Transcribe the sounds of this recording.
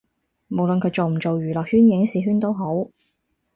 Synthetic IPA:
mo˨˩wlɵ˨nkʰɵ˨˧˥t͡so˨wm̩˨˩t͡so˨wjyː˨˩lɔː˨k̚hyː˥njɪ˨˥ŋsiː˨˥ɦyː˥nt̪o˥wɦo˨˥w

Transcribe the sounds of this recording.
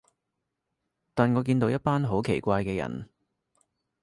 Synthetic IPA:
t̪aː˨nŋɔː˨˧k̬iː˧nt̪o˨˧wjɐ˥t̚paː˥nɦo˨˥wkʰe˨˩jkʷaː˧jkɛː˧jɐ̰˨˩n

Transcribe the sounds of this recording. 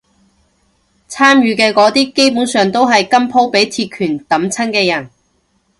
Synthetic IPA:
t͡sʰaː˥mjyː˨˧kɛː˧kɔː˨˥t̪iː˥ke˥jpuː˨˥nsœː˨ŋt̪o˥wɦɐ˨jkɐ˥mpʰo˥wpe˨˥jt̪ʰiː˧t̚kʰyː˨˩nt̪ɐ˨˥mt͡sʰɐ˥nkɛː˧jɐ˨˩n

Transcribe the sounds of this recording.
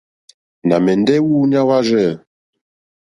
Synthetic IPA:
na˨mɛ˨n˦dɛ˦wuː˦ɲa˦wa˦ʒɛ˦˨

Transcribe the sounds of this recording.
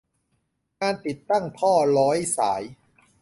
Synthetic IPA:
ŋaː˧nt̪i˨˩t̪ːa˥˩ŋp̪ʰɔː˥˩lɔː˦˥jsaː˩˦j

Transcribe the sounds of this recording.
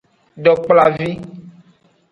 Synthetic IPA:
ɖɔ˨k͡pla˨vi˦

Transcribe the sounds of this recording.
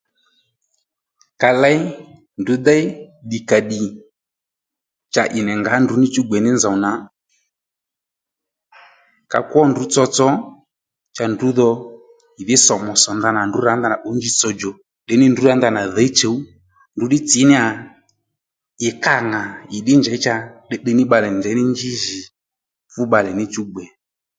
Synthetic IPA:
ka˧la˦i˦ | ndu˨˦d̪a˦i˦ɗi˨ka˨ɗi˨ | t͡ʃa˨ʔɪ˨nɛ˨ŋɡa˨˦ndu˨˦ni˦t͡ʃu˦ɡ͡bɛ˨nɪ˦nza˨na˨˦ | ka̰˨kwɔ˦ndu˨˦t͡sɔ˧t͡sɔ˨˦ | t͡ʃa˨ndu˨˦ðɔ˧ | i˨ði˦sɔ˨mɔ˨sɔ˨nda˧na˨ndu˨˦ɾa˨˦nda˦˨na˨ʔɔ˨˦ɲd͡ʒi˦t͡sɔ˧d͡ʒɔ˨ | ɗɛ˨˦nɪ˦ndu˦ɾa˨˦nda˧˨na˨ðɛ˨˦t͡ʃe˨˦u˦ | ndu˨˦ɗi˦t͡si˨˦nɪ˦a˨ | ɪ˨ka˦ŋa˨i˨ɗɪ˦nd͡ʒɛ˨˦t͡ʃa˧ɗɛ˦ɗɛ˦nɪ˦ɓa˧lɛ˨nd͡ʒɛ˨˦nɪ˦ɲd͡ʒi˦ʒi˨ | fu˦ɓa˨lɛ˨nɪ˦t͡ʃu˦ɡ͡bɛ˨

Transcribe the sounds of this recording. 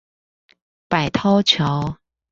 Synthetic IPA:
pa˨˩ɪt̪ʰɔ˥˦ʊt͡ɕʰjo˨˦ʊ

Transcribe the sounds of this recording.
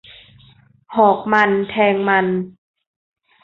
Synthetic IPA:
hɔː˨˩k̚ma˧nt̪ʰɛː˧ŋma˧n

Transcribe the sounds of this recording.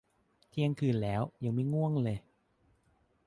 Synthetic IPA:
t̪ʰi˧ə˧ŋkʰɯː˨˩nlɛː˦˥wja˧˩ŋma˦˥˩jŋu˥˩əŋlɤː˧j

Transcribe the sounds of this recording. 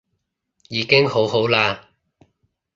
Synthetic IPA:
jiː˨˧kɪ˥ŋho˨˥wɦo˨˥wlaː˧

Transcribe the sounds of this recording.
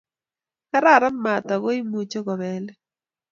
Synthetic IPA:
ka˦ɾa˨ɾa˦nma˨t̪ɔ˨ɡo˦i˦mu˨t͡ʃo˦ɡɔ˨βɛ˦l

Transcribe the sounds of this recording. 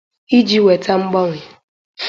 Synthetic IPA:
i˦d͡ʒi˦we˨ta˦ŋ͡m̩˦ɡ͡bɔ˦ŋʷɪ˨

